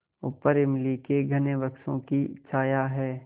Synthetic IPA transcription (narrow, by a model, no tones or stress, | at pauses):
ʊ̰pːəɾɪmlikeɡʱɐneʋɐkʃõ̰kit͡ʃʰaːjaɦɛː